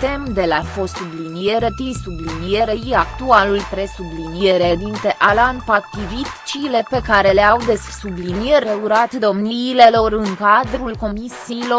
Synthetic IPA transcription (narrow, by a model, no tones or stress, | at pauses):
t̪e̞md̪e̞lafo̞st̪ublinijeɾet̪isublinijeɾeiakt̪ualulpɾe̞sublinije̞ɾed̪int̪e̞ʔalanpak̚t̪ivit̪t͡ʃile̞pe̞kaɾe̞leawd̪e̞ssublinijeɾeuɾat̪d̪o̞mniːle̞lo̞ɾɨŋkad̪ɾulko̞misiːlo̞